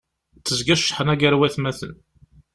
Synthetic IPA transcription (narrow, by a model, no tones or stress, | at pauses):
t͡s̪ːəzɡæʃːħənæɡəɾwæθmæθə̰n